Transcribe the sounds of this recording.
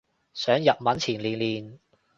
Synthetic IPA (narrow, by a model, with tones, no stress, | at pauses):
sœː˨˥ŋjɐ˨p̚mɐ˨˥nt͡sʰiː˨˩nliː˨˩nliː˨˩n